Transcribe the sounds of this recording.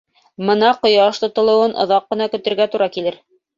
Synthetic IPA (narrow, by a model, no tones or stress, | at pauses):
mɤ̆nɑqŏjɑʃt̪ŏt̪ŏlˠɤ̆wɤnʔŏ̰ðɑqːɤ̆nɑkɵ̆t̪ɘ̆ɾɡæt̪uɾɑkilɘɾ